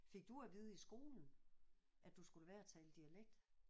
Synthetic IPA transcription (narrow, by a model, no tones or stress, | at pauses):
fe̝ɡ̥̚d̥uæʋiːð̞ˠəisɡ̥o̝̰ːln̩ | ʔæd̥usɡ̥uləʋæɐæt͡sʰɛːləd̥iæleɡ̥̚d̥